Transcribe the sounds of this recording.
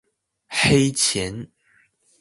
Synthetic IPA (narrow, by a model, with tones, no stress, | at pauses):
xe˥ɪt͡ɕʰjɛ˧˥˦n